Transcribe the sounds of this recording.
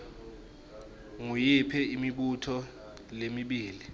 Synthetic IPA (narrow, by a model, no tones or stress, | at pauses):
ŋujipʰɛimiɓutʰɔ | lemiɓiːli